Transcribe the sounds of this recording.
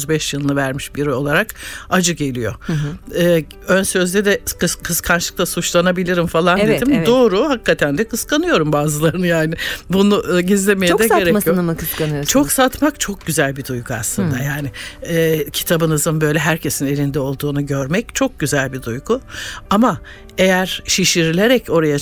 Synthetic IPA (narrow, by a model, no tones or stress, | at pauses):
zbɛʃjɯlˠnɯvæɾmiʃbiɾo̞lˠaɾakad͡ʒɯɟe̞lʲijo̞̰ɯː | ønsø̞zd̪ɛd̪ɛkɯkʰɯskʰanʃɯk̚t̪ˠasut͡ʃlˠanabilʲiɾimfalˠand̪ed̪imd̪o̞ːɾuhakʰːat̪ʰænd̪ɛkʰɯskanɯjo̞ɾumbaːzɯlˠaɾɯnɯjaːnɪbunuʔɟizlʲe̞mejd̪ɛeɾɛmijonmkɯskanɯjot͡ʃʰo̞ksat̪makt͡ʃʰo̞k̚ɟyzælʲbid̪ujkʰuaslˠɯnd̪ajaːnɪɛːcʰi̥t̪ʰabɯnɯzɯnbø̞jlʲɛɦæɾcʰe̞sine̞lʲind̪ɛo̞lˠd̪uːnuɟø̞ɾmɛc̚t͡ʃʰo̞k̚ɟyzælʲbid̪ujɡuama | e̞jæɾʃiʃiɾlʲe̞ɾɛco̞ɾaja